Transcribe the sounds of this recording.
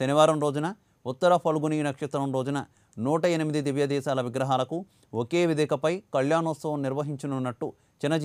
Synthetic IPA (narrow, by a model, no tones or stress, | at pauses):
ʃɐniʋaːɾɐmɾo̞ːd͡ʒunɐ | ut̪ːɐɾɐpʰɐluɡuniːnɐkʂɐt̪ɾɐmɾo̞ːd͡ʒunɐ | nuːʈɐenimid̪id̪iʋjɐd̪ɛːʃaːlɐʋiɡɾɐɦaːlɐku | okeːʋid̪ɛːkɐpɐjkɐljaːnɔːsɐʋɐmniɾʋɐɦiɲt͡ʃinunːɐʈːu | t͡ʃinɐd͡ʒ